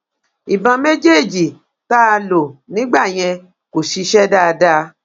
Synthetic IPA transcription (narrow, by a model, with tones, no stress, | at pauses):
i˨bã˧mẽ˦d͡ʒe˦˨d͡ʒi˨ | ta˦a˧lo˨nĩ˨˦ɡ͡ba˦˨j̃ɛ̃˧ | ko˨ʃi˧ʃɛ˦da˦˧da˦